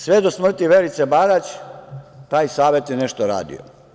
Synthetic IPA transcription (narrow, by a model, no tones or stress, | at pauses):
sʋed̪osmr̩t̪iʋelit̪sebaɡat͡ɕ | t̪aːjsaːʋjet̪jeneʃt̪oɾa̰ːd̪ḭo̰